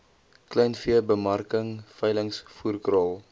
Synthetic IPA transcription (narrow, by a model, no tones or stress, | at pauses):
klɛjnfiəbəmɐrkəŋfɛjləŋsfuːrkrɑlˠ